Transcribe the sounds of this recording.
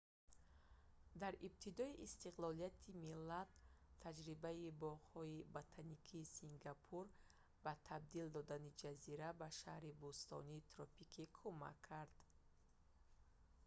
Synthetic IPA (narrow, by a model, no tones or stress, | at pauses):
d̪aɾib̚t̪ʰid̪ɔiʔːst̪iqlɔlijat̪ʰimilːat̪ʰːad͡ʒɾibaibɔʁhɔibot̪ʰanikʰiːsiŋɡapʰuɾ | bat̪ʰab̚d̪ild̪ɔd̪anid͡ʒaziɾabaʃahɾibust̪ɔ̰niːt̪ʰɾɔpikʰikʰuma̰kʰːaɾd̪